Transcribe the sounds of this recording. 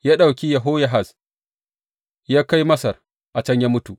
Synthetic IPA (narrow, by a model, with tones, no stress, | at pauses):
jaː˦ɗa˨wkʲi˦jɐ˨ɦo˦ja˨ɦa˨s | jaː˦ka˦jmɐ˦sɐ˨r | ʔa˨t͡ʃɐ˦ɲjaː˦mʊ˦tu˨ʔ